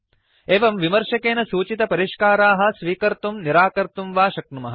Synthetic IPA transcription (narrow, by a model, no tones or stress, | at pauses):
eːʋɐmʋimɐɾʃɐkeːnɐsuːt͡ʃit̪ɐpɐɾiʂkaːɾaːɦɐ̆sʋiːkɐɾt̪umniɾaːkɐɾt̪umʋaːʃɐknumɐɦɐ